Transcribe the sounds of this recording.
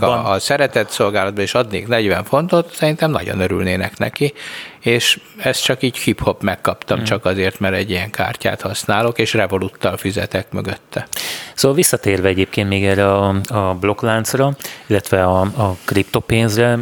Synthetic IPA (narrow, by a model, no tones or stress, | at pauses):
sɛɾɛt̪ɛt̪so̞lɡaːlɒd̪bɒneːʃɒd̪nḛːknɛɟʋɛɱfo̞nt̪o̞t̪sɛɾint̪ɛmnɒ̰ɟo̰nøɾylneːnɛknɛ̰kieːʃɛst̪t͡ʃɒkiːcxipho̞pmɛkːɒpt̪ɒmt͡ʃɒkɒzeːrt̪mɛɾɛɟːijɛŋka̰ːrca̰ːt̪hɒsnaːlo̞keːʃrɛvo̞lut̪ːɒlfizɛ̰t̪ɛkmø̰ɡøt̪ːɛsoːʋɒlʋisːɒt̪eːrvɛɛɟeːp̚keːnt̪meːɡɛrːɛɒɒblo̞klaːnt̪srɒilːɛt̪ʋɛɒɒkript̪opeːnzrɛ